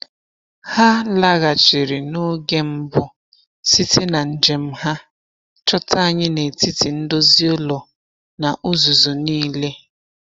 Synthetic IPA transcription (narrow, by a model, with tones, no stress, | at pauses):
ha˦la˦ɣa˨t͡ʃɪ˨ɾi˨no˦ɡe˦m̩˦bʊ˦ | si˦tʰe˦na˨n̩˦d͡ʒe˨m̩˦ha˦ | t͡ʃɔ˦ta˦a˨ɲɪ˦ne˨ti˦ti˨n̩˦do˦zi˦o˦lɔ˨ | na˨ʔʊ˦zu˨zu˨niː˦le˦